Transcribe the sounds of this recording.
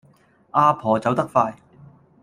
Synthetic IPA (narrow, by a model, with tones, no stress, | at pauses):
ʔaː˧pʰɔː˨˩t͡sɐ˨˥wt̪ɐ˥k̚faː˧j